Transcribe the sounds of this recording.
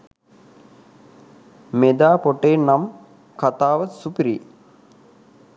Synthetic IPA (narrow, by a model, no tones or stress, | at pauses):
med̪aːpoʈeːnam | kat̪aːʋəsupiɾi